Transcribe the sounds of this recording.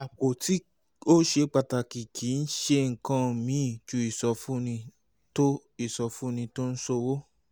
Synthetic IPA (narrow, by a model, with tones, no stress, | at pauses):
a˨k͡po˨ti˦ | o˦ʃe˧k͡pa˧˨ta˨ki˨kʰi˨˦n̩˦ʃe˧ŋ̩˨kã˧˨mĩ˨˦˨t͡ʃu˧˦i˦˨sɔ˧fũ˦nĩ˧ | to˦ | i˦˨sɔ˧fũ˦nĩ˧to˦n̩˦so˧wo˦